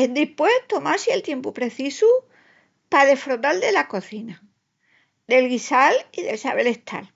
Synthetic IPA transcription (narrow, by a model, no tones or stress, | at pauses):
end̪ihpwe̞ht̪o̞maɾsielt̪je̞mpupɾe̞θisu | paðe̞fɾot̪ald̪e̞lako̞θina | d̪e̞lɣisaliðe̞lsaβe̞le̞ht̪ʰa̰l